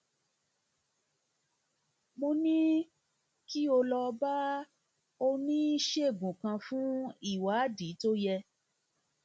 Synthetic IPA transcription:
mõ˧nĩ˦ | ki˦o˧lɔ˧ba˦ | o˧nĩ˦i˦ʃe˦˨ɡũ˨kã˧fũ˦i˦˨wa˨˦di˨˦to˦jɛ˧

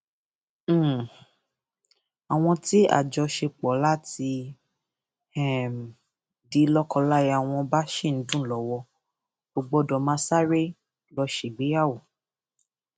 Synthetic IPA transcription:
a˨w̃ɔ̃˧ti˦a̰˦˨d͡ʒɔ˧ʃe˧k͡pɔ˨˦la˦ti˧ | ɛ˨ | di˨˦lɔ˦kɔ˧la˦ji˧a˨w̃ɔ̃˧ba˦ʃe˦˨n̩˨˦dũ˦˨lɔ˨˦wɔ˧ | ɡ͡b̥o˧ɡ͡bɔ˧˦dɔ˧m̃ã˦sa˦ɾe˦ | lɔ˧ʃe˨ɡ͡be˨˦a˦˨wo˨

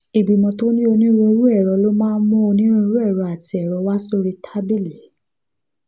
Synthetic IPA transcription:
i˨bi˨mɔ̃˧to˦nĩ˦o˧nĩ˦ɾũ˧ɾu˦ɛ˦˨ɾɔ˨˧˦lo˦mãː˦n˦mɔ̃˦o˧nĩ˦ɾũ˧i˧ɾu˦ɛ˦˨ɾɔ˨˦a˨ti˨˦ɛ˨ɾɔ˨˦wa˦so˦ɾi˧tʰa˦bi˦li˨˦

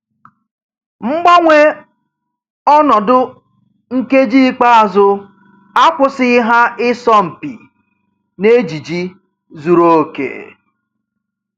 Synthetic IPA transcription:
ŋ͡m̩˦ɡ͡ba˦ŋʷe˦ | ɔ˦nɔ˨dʊ˦ | ŋ̩˦ke˦d͡ʒi˦k͡pa˦a˨zʊ˦ | a˦kʷʊ˦sɪ˦ɦa˦ɪ˦sɔ˦m̩˨pḭ˨ | ne˦d͡ʒi˨d͡ʒi˦ | zu˨ɾo˦˨kḛ˨

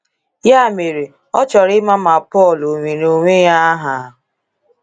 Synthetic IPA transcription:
ja˦˨me˨ɾe˨ | ɔ˦t͡ʃɔ˨ɾɪ˦ma˦ma˨pɔ˦˨lo˨ŋʷe˨ɾo˨ŋʷe˦ja˦ɦa˨˦

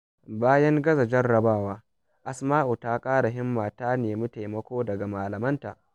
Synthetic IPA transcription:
baː˦jɐ˦ŋɡɐ˦zɐ˨d͡ʒɐ˦rɽɐ˨baː˦˨waː˦ | ʔa˦smaː˦ʔu˨taː˦kʼaː˦ɽa˨ɦɪ˦mːaː˨taː˦neː˨mʊ˦ta˨jmɐ˦kʷoː˦dɐ˨ɡa˨maː˨lɐ˨mɐ˦nta̰ː˨ʔ

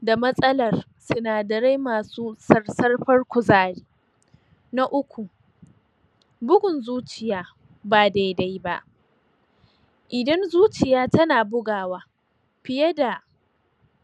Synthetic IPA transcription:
da˨mɐ˦sʼɐ˦lɐ˨r | sʊ˦naː˨dɐ˨ɽe˦jmaː˨suː˦sɐ˦rsɐ˦rɸɐ˦rkʷʊ˨zaː˦ɽiː˦ | na˦ʔʊ˦kʷu˨ | bʊ˦ɡʊ˨nzuː˦t͡ʃɪ˨jaː˦ | baː˨da˨jda˦jba̰˦ʔ | ʔɪ˨dɐ˦nzuː˦t͡ʃɪ˨jaː˦tɐ˦naː˨bʊ˦ɡaː˨waː˦ | ɸɪ˨jɐ˦da˨

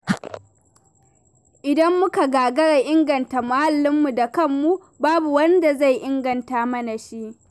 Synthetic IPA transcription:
ʔɪ˨dɐ˦mːʊ˦ka˨ɡaː˨ɡɐ˦ɽa˨ʔɪ˦ŋɡɐ˨nta˨mʊ˨ha˦lːɪ˦mːu˨da˨kɐ˦˨mːu˦ | baː˦bu˨wɐ˦nda˨za˦˨jʔɪ˦ŋɡɐ˨ntaː˦mɐ˦na˨ʃi˦ʔ

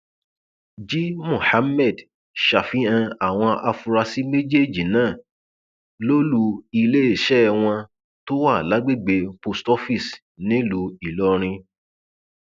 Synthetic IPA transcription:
d͡ʒi˦mũ˦˨ha˨˦mɛ˦˨d | ʃa˨fi˦ã˧a˨w̃ɔ̃˧ʔa˧fu˧ɾa˧si˦me˦d͡ʒe˦˨d͡ʒi˨nãː˦˨ | lo˦lu˧˦i˧le˦e˦˨ʃɛ˦˧w̃ɔ̃˧ | to˦wa˦˨la˨˦ɡ͡be˦˨ɡ͡be˧po˧stɔ˦fi˦˨s | nĩ˦lu˨˧i˨lɔ˦ɾ̃ĩ˧

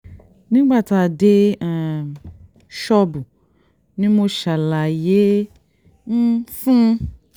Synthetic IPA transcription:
nĩ˦ɡ͡ba˦˨ta˧˨de˧˨ | ʃɔ˧bu˨ | nĩ˦mo˧ʃa˨la˨je˨˦ | n̩˦fũ˦

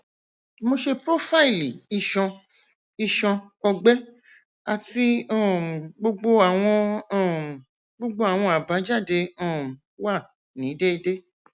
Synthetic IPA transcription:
mo˧ʃe˧pɾo˦fa˦i˨li˨i˧ʃɔ̃˧ | i˧ʃɔ̃˧ɔ˧ɡ͡bɛ˦ | a˨ti˦ɔ̃˦˨ɡ͡bo˧ɡ͡bo˧a˨w̃ɔ̃˧˦˨ | ɡ͡bo˧ɡ͡bo˧a˨w̃ɔ̃˧a˨ba˨˦d͡ʒa˦˨de˧ɔ̃˦˨ | wa˦˨ | nĩ˨˦de˦i˧de˦

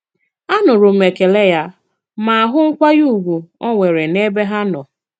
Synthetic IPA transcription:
a˦nʊ˨ɾʊ˨me˨ke˨le˦ja˦ | ma˨a˨ɦʊ˦ŋ̩˦kʷa˦ju˦˨ɡʷu˨ɔ˦ŋʷe˨ɾe˨ne˦be˦ɦa˦nɔ˨

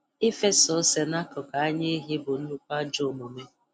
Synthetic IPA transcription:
ɪ˦fe˦sɔ˨˦se˨na˦kʊ˨ka˨a˦ɲe˦ɦi˦bʊ˨n̩˦nu˦kʷa˦d͡ʒo˦˨mʊ˨me˦

